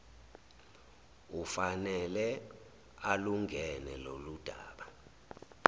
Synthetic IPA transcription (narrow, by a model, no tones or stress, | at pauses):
ufanɛlɛ | aluŋɡʱɛnɛlolud̥ʱaːɓa